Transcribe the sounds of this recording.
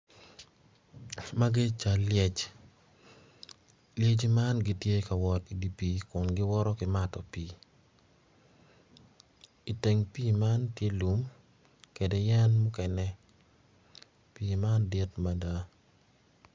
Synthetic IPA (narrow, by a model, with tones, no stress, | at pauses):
ma˦ɡɪ˦t͡ʃa˨ljɛ˦t͡ʃ | lje˦d͡ʒi˦ma˦nɡɪ˦tje˦ka˨wɔ˦ti˨di˨pi˨˦kʊ˨nɡɪ˦wɔ˦ɾɔ˦kɪ˨ma˦tɔ˨pi˨ | i˨te˨ŋpiː˦ma˦ntje˦lu˦m | ke˨dɛ˨jɛ˦nmʊ˦kɛ˨nɛ˦ | piː˨ma˦ndi˦tma˨da˦